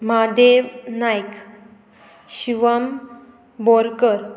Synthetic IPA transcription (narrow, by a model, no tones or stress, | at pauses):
mad̪eʋnajk | ɕiʋəm | bɔɾkəɾ